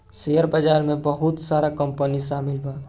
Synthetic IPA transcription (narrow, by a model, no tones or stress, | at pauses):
sejəɾbəd͡ʒaːɾmẽbəɦʊt̪saːɾakə̃mpənisaːmɪlbʱaː